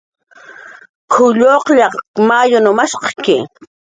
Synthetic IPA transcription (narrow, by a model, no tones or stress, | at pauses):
kʰʊʎoqʎɑmajʊnʊmaʃqɑkɪ